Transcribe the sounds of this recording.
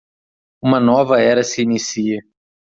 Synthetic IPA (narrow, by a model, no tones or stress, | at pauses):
ũmɐnɔvɐɛɾɐsɪːnisiɐ